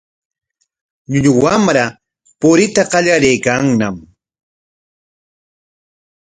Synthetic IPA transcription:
ʎʊʎʊwamɾa | pʊɾɪt̪aqɑʎaɾejkaŋnam

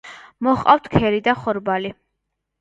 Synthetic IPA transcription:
mɔχqʼa̰ft̪ʰkʰɛɾid̪aχɔɾbali

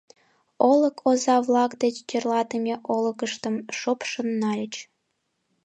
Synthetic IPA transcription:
olə̆kʰozɑβlɑkd̪et͡ɕt͡ɕerlɑt̪əmʲeʔolə̆kəʃt̪əmʃopʃonːɑlʲə̆t͡ɕ

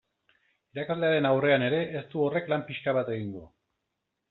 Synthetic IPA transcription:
iɾakazle̞aɾe̞nawre̞ane̞ɾe̞ʔːst̪uo̞re̞klampiʃkaβat̪e̞ɣiŋɡo

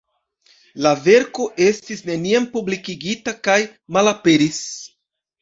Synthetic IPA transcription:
lave̞ɾko̞ʔe̞stisne̞niampublikiɡitakajmalape̞ɾis

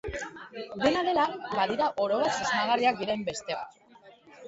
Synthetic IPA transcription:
d̪e̞naðe̞labaðiɾaʔo̞ɾo̞βasizmaɣ̞ariak̚d̪iɾe̞mbe̞st̪ea̰

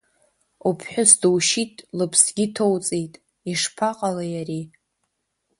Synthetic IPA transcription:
upʰħʷᶣʊsdɨwʃitʼlɨpʰsɡʲitʰowt͡sʼejtʼ | iʂpʰaqʼalajari

